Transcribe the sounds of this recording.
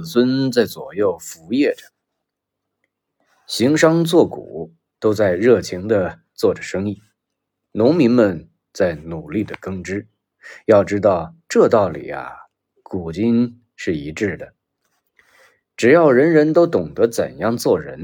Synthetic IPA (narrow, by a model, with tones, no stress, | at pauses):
swə˥nt͡sa˥˩ɪt͡swɔ˨˩jo˥˩ʊfu˧˥jɛ˥˩ʈ͡ʂə˩ | ɕi˧˥ŋʂɑ˥ŋt͡swɔ˥˩kṵ˨˩˦ | t̪o˥ʊt͡sa˥˧ɪɻɤ˥˩t͡ɕʰi˧˥ŋd̪ə˧ | t͡swɔ˥˩ʈ͡ʂə˩ʂɤ˥ŋi˥˩ | nʊ˧˥ŋmi˧˥ŋmə˧n | t͡sa˥˩ɪnu˨˩li˥˩d̪ə˩kɤ˥ŋʈ͡ʂɻ̩˥ | jɑ˥˩ʊʈ͡ʂɻ̩˥t̪ɑ˥˧ʊʈ͡ʂɤ˥˧t̪ɑ˥˩ʊlḭ˨˩ɐ̰˧˩ | ku˨˩t͡ɕi˥n | ʂɻ̩˥˩i˧˥ʈ͡ʂɻ̩˥˩d̪ə˩ | ʈ͡ʂɻ̩˨˩jɑ˥˩ʊɻə˧˥nɻə˧˥nt̪o˥ʊt̪ʊ˨˩ŋd̪ə˧˥t͡sə̰˨˩njɑ˥˧ŋt͡swɔ˥˩ɻə̰˧˥n